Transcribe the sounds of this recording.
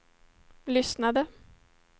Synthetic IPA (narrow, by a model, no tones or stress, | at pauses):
lʏsnad̪ə